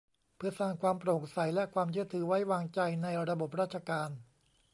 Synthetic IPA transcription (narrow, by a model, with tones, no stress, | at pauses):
pʰɯ˥˩ɐsaː˧˩ŋkʰwaː˧mpɾoː˨˩k̚sa˩˦jlɛ˦˥kʰwaː˧mt͡ɕʰɯ˥˩ət̪ʰːɯː˩˦wa˦˥jwaː˧ŋt͡ɕa˧jna˧jɾa˧bo˨˩p̚ɾaː˥t̪̚t͡ɕʰa˧kaː˧n